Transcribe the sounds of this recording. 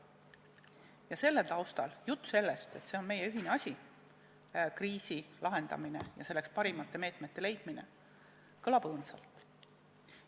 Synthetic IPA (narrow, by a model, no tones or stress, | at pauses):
jɑse̞lːe̞lt̪ɑwst̪ɑljut̪ːˑuse̞lːe̞st̪e̞t̪se̞o̞nme̞jeyɦine̞ɑsʲi | kriːsilɑɦe̞nd̪̥ɑ̰minejɑ̰se̞lːe̞kspɑɾimɑt̪ːe̞me̞ːt̪ˑme̞t̪ːe̞le̞jd̪̥mine̞̰ | kɤlɑb̥ɤːnsɑ̰lt̪ːˑ